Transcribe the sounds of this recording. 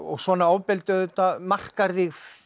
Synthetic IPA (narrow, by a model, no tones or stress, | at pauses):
ɔɣsvɔːnaoːwpɪlt̪ʏðʏt̪amar̥kaɾðiɣ